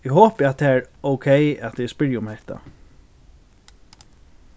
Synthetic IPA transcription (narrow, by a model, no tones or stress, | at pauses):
ɪɦoːpɪat̪̚t̪ʰɛːɹoʊkʰejat̪ɛspɪɹjʊmhɛht̪a̰